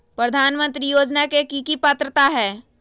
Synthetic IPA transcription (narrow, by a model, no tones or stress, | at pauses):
pɾəd̪ʱaːnmə̃nt̪ɾijoːd͡ʒnakekikipət̪ɾət̪aɦɛː